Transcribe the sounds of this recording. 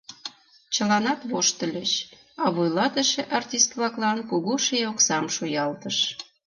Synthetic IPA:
t͡ɕəlɑnɑt̪βoʃt̪ə̆lʲət͡ɕ | ɑβojlɑt̪əʃeʔɑrtʲist̪βlˠɑklɑnkuɣuʃeoksɑmʃojɑlt̪əʃ

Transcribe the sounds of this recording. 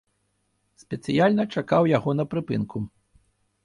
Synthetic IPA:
sʲpʲɛt̪sɨjalʲnɐt͡ʂakawjaɣɔnɐpɾɨpɨnkʰu

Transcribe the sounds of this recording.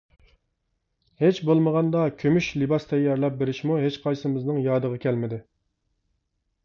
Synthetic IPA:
het͡ʃbolˠməʁɑnd̪ɑkʲʰømyʃlɨbɑst̪ʰɛjːɑɾlɛp̚beɾɪʃmuɦet͡ʃqʰɑjsɪmɪznɨŋjɑːd̪əʁɑkʲʰɛlmɪd̪ɪ

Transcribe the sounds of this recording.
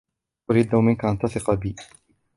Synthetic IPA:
ʔʊɾid̪awmɪnkaʔant̪ɑsɪqɑbiː

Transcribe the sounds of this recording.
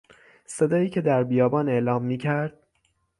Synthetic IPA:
se̞d̪ɒːjiːcʰe̞d̪æɾbijɒːbɒːne̞ʔlɒːmːiːcʰæɾd̪̥̚

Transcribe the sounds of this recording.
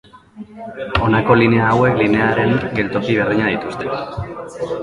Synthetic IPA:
o̞nako̞line̞aːwe̞kline̞aɾe̞ŋɡe̞lt̪o̞kiβ̞erðiɲaðit̪ust̪e̞

